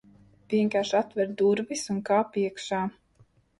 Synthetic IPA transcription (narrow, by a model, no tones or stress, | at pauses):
viɛŋkaːɾʃat̪vɛɾd̪uɾvisuŋkaːpiɛkʃaː